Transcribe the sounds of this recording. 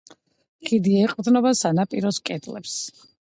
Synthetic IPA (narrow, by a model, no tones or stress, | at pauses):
χʼid̪iɛqʼvd̪nɔbasanapʼiɾɔskʼɛt̪ʼlɛ̰ps